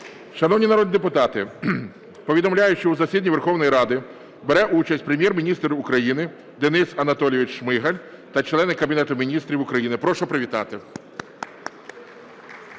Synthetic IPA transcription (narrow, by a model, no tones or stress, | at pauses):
ʃɐnɔwnʲinɐɾɔd̪nʲid̪epʊt̪ɑt̪ɪ | pɔʋʲid̪ɔmlʲajʊt͡ʃɔuzɐsʲid̪ʲnʲiʋerxɔwnɔjɾɑd̪ɪ | beɾɛʔut͡ʃɐsʲtʲpɾemʲjɛrmʲinʲist̪ɾʊkɾɐjinɪ | d̪enɪsɐnɐt̪ɔlʲjʋʲɪt͡ʃʃmɪɦɐlʲ | t̪ɐt͡ʃlˠɛnːɪkːɐbʲinɛt̪ʊmʲinʲist̪ɾʲiwʊkɾɐjinɪpɾɔʃɔpɾeʋʲit̪ɑt̪ɪ